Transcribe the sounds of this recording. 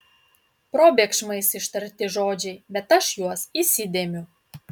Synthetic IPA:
pɾobʲekʃmɐɪsiʃt̪ɐɾʲt̪ʲɪʒoːd͡ʒʲɛjbʲɛt̪ɐʃjuɔsisʲid̪ʲemʲu

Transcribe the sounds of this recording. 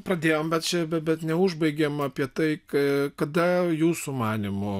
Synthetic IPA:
pɾɐd̪ʲeːjoːmbʲɛt̪t͡ʃʲɛbʲɛt̪bʲɛt̪nʲɛʊʒbɐɪɡʲɛmɐpʲiɛt̪ɐɪkɐkɐd̪ɐjuːsʊmɑːnʲɪmʊ

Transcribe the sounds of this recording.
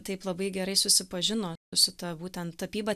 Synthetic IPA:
t̪ɐɪplˠɐbɐɪɡʲɛɾɐɪsʊsʲɪpɐʒʲɪnoːʊsʲɪt̪ɐbuːt̪ʲɛnt̪ːɐpʲiːbɐ

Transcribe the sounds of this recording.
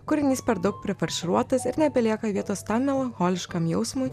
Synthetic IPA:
kʊɾʲɪnʲiːspʲɛɾd̪ɐʊk̚pʲɾʲɪfɐɾʲʃʲɪɾuɔt̪ɐsɪɾnʲɛbʲɛlʲiɛkɐʋʲiɛt̪oːst̪ɑmmʲɛlˠɐŋxoːlʲɪʃkɐmjɛʊsmʊj

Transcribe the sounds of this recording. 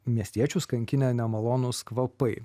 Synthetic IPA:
mʲiɛsʲt̪ʲiɛt͡ʃʲuskɐŋʲkʲɪnʲeːnʲɛmɐlˠoːnʊskʋɐpɐɪ

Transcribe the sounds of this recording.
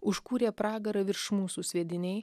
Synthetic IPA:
ʊʃkuːɾʲeːpɾɑːɡɐɾɐʋʲɪɾʃmuːsusʲʋʲiɛd̪ʲɪnʲɛɪ

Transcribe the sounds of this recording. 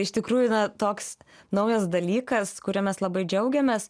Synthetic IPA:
ɪʃt̪ʲɪkɾuːjʊnɐt̪oːksnɐʊjɛsd̪ɐlʲiːkɐskʊɾʲɛmʲɛslˠɐbɐɪd͡ʒʲɛʊɡʲɛmʲeːs

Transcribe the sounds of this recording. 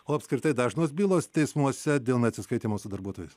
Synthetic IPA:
oːɐpʲskɾʲɪt̪ɐɪd̪ɑːʒnoːsbʲiːlˠoːst̪ʲɛɪsmuɔsʲɛd̪ʲeːlˠnʲɐt̪ʲsʲɪskɐɪt̪ʲiːmoːsʊd̪ɐɾbuɔt̪oːjɛs

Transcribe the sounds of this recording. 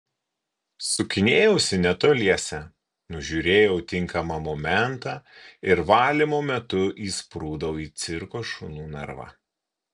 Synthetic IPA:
sʊkʲɪnʲeːjɛʊsʲɪnʲɛt̪oːlʲiɛsʲɛ | nʊʒʲuːɾʲeːjɛʊt̪ʲɪŋˑkɐmɐmɔmʲɛnt̪ɑːɪɾʋɑːlʲɪmoːmʲɛt̪ʊʔiːspɾuːd̪ɐʊiːt̪sʲɪɾkoːʃʊnuːnɐ̰ɾʋɐ̰

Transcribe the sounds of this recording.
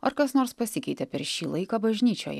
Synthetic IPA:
ɐɾkɐsnoːɾspɐsʲɪkʲɛɪt̪ʲɛpʲɛɾʃʲiːlˠɐɪkɑːbɐʒʲnʲiːt͡ʃʲo̰ːjɛ̰

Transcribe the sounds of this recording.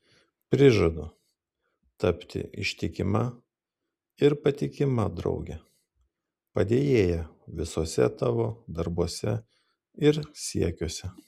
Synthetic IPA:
pʲɾʲɪʒɐd̪ʊ | t̪ɐpʲt̪ʲɪ̰ʔɪ̰ʃʲt̪ʲɪkʲɪmɐ | ɪɾpɐt̪ʲɪkʲɪmɐd̪ɾɒ̰ʊɡʲɛ | pɐd̪ʲeːjeːjɛʋʲɪsoːsʲɛ̰t̪ɑːʋoːd̪ɐɾbuɔsʲɛ | ɪɾsʲiɛkʲuːsʲɛ

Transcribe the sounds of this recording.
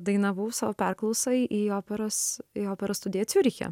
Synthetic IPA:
d̪ɐɪnɐʋuːsɑːʋoːpʲæɾklˠɒʊsɐɪʔiːoːpʲɛɾoːsioːpʲɛɾoːst̪ʊd̪ʲeːt̪sʲʊɾʲixʲɛ̰

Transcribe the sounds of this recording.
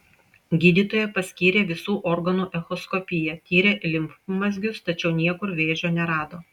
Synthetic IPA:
ɡʲiːd̪ʲiːt̪oːjɛpɐsʲkʲiːɾʲeːʋʲɪsuːʔɔɾɡɐnuːʔɛxɔskɔpʲɪjɛt̪ʲiːɾʲeːʔlʲɪmpmɐzʲɡʲʊst̪ɐt͡ʃʲɛʊnʲiɛkʊɾʋʲeːʒʲoːnʲɛɾɑːd̪oː

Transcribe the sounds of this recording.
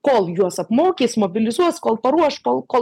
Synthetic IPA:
koːlˠjuɔsɐpmoːkʲiːsmoːbʲɪlʲɪzuɔskoːlˠpɐɾuɔʃkolˠkoː

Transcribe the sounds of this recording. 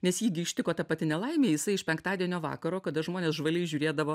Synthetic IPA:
nʲɛsjiːɡʲɪɪʃʲt̪ʲɪkoːt̪ɐpɐt̪ʲɪnʲɛlˠɐɪmʲeːjɪsɐɪɪʃpʲɛŋkt̪ɑːd̪ʲiɛnʲoːʋɑ̰ːkɐɾoːkɐd̪ɐʒmoːnʲeːsʒʋɐlʲɛɪʒʲʊːɾʲeːd̪ɐʋoː

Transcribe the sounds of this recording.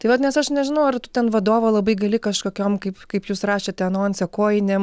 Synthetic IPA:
t̪ɐɪʋɐt̪nʲɛsɐʃnʲɛʒʲɪnɐʊɐrt̪ʊt̪ʲɛnʋɐd̪oːʋolˠɐbɐɪɡɐlʲɪkɐʃkoːkʲoːmkɐɪpkɐɪpjuːsrɑːʃʲet̪ʲɛɐnoːnʲsʲɛkoːjɪnʲem

